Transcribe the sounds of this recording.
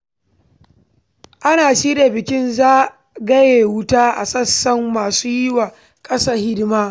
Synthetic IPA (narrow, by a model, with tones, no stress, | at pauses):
ʔa˦naː˨ʃiː˦de˨bɪ˨kʲɪ˦nzaː˦ | ɡɐ˦jeː˨wʊ˦taː˦ʔa̰˨sɐ˦sːɐ˦mːaː˨suː˦jɪ˦waː˨ | kʼɐ˦saː˨hɪ˦dmaː˦